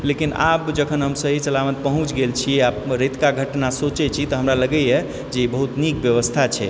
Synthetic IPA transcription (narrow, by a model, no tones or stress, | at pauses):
lekina̰pd͡ʒəkʰənɦəmsəɦit͡ʃəlamət̪̚pəɦũt͡ʃɡelt͡ʃʰiaɾit̪kaɡʱəʈnasot͡ʃɛt͡ʃʰit̪ɔɦəmɾaləɡɛjɛ | d͡ʒeibəɦut̪nikbjəʋəst̪ʰat͡ʃʰɛ̰